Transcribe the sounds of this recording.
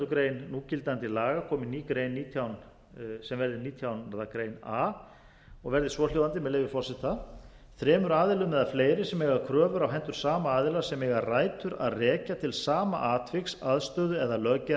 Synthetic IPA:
t̪ʏkɾeːjnːuːcɪlt̪ant̪ɪlaːɣakʰɔːmɪniːkɾeːjnːiːt̪ʰjawn | sɛmvɛɾðɪniːt̪ʰjawnaɾðakɾeːjnaː | ɔɣvɛɾðɪsvɔljoːwðant̪̬ɪmɛðlejvɪfɔɾ̥sɛht̪a | θɾɛːmʏɾaːðɪlʏmɛðafleːjɾɪ̥sɛmɛɣakʰɾœːvʏɾawɦɛnt̪ʏɾ̥saːmaaːðɪlasɛmɛɣaɾraːjt̪ʏɾa̰ðrɛːcat̪ʰɪlsaːma̰ʔaːt̪ʰvɪksaðst̪œðʏɛðalœca

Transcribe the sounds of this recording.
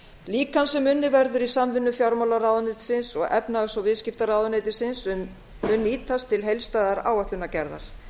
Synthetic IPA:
liːkansɛmːʏnːɪvɛɾðʏɾisamvɪnːʏfjawɾmawlaɾawðʏnɪt̪sɪnsɔɣɛpnaɣsɔwvɪðscɪft̪aɾawðʏneːt̪ɪsɪnsʏmː | ʏnːiːt̪ast̪ʰɪlɦejlst̪aːjðaɾa̰ːwat̪ʏnacɛɾða̰ɾ̥

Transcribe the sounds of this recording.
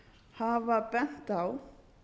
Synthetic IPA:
havapɛn̥t̪aw

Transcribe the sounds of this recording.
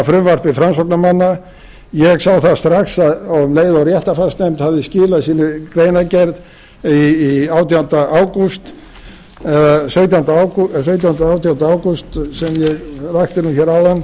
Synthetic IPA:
fɾʏmvar̥pɪfɾansɔknamanːa | jɛɣsaːwθast̪ɾaxsaðɔleːjðawrjɛht̪afaɾ̥st̪nejmt̪havðɪscɪːlasiːnɪkɾeːjnacɛɾð | iːaːwt̪ijawnt̪aʔaːwkust̪ | ɛðasœːɥt̪jawnt̪aawks̬œɥt̪̬jawnt̪aaːwt̪ijawnt̪aaːwkust̪sɛmjɛɣrajxt̪ɪnuçɛɾawðanː

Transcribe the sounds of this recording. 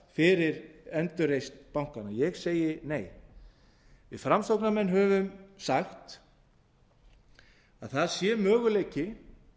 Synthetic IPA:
fɪɾɪɾɛnt̪ʏɾejst̪pawŋ̥kanajɛɣseːjɪneːj | vɪðfɾamsowknamɛnːɦœːvʏmsaxt̪ | aðθaðsjɛmœːɣʏleːjcɪ

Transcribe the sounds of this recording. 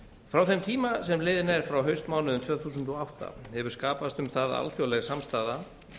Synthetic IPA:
fɾawθɛnt̪ʰiːmasɛmlɪːðɪnɛɾ̥fɾawɦœɥst̪maːwnɪðʏmt̪ʰvœːθuːsʏnt̪ɔawht̪a̰hɛvʏɾ̥skaːpast̪ʏmθaða̰lfjowlɛɣsamst̪aːða

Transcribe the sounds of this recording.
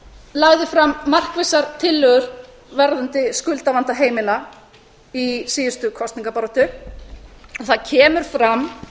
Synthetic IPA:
laɣðɪfɾamːar̥kvejsaɾt̪ʰɪlːœɣʏɾ̥ | vɛɾðʏnt̪ɪskʏlt̪avant̪aɦeːjmɪla | isiːðʏst̪ʏkʰɔst̪niŋkapaɾɔt̪ʏ | ɔθaðcʰɛːmʏɾ̥fɾam

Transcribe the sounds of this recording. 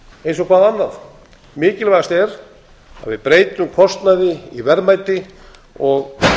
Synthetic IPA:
ejns̬ɔɣkʰvaːðanːaθ | mɪːcɪlvajɣast̪ɛɾ | a̰ðvɪðpɾeːjt̪ʏmkʰɔst̪naðɪivɛɾmajt̪ɪ | ɔɣ

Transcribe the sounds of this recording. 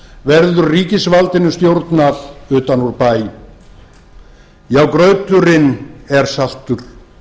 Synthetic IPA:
vɛɾðʏɾriːcɪsvalt̪ɪnʏst̪jowɾt̪naðʏːt̪anuɾpaːj | jawkɾœːɥt̪lʏɾɪnɛɾ̥sal̥t̪ʏɾ̥

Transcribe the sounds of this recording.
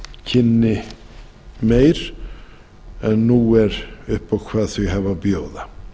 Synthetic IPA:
cʰɪnːɪ | mejɾ | ɛnːuːɛɾʏhpawkʰvaːðθœɦavabjoːwða

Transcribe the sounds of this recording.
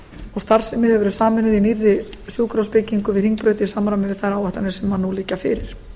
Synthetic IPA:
ɔɣst̪aɾ̥sɪmɪðhɛvʏɾʏsaːmɪnɪðinirːɪsjuːkɾowspɪciŋkʏvɪðriŋk̚pɾœɥjt̪ɪsaːmːɾamɪðɪθajɾawɛht̪anɪ̥sɛmːanːuliːcːafɪ̰ɾɪɾ̥

